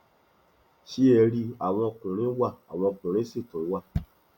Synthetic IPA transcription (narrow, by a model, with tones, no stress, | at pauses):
ʃi˦ɛ˧ɾi˧a˨w̃ɔ̃˧kũ˨ɾ̃ĩ˦wa˦˨a̰˨w̃ɔ̃˧kũ˨ɾ̃ĩ˨˦si˦˨tũ˨˦wa˦˨